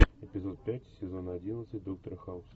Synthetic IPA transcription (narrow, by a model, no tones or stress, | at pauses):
ɛpʲizɔt̪̚pʲatʲsʲɛzɔnad͡zʲinət̪sət̚ʲd̪ɔk̚t̪ɾɨxaws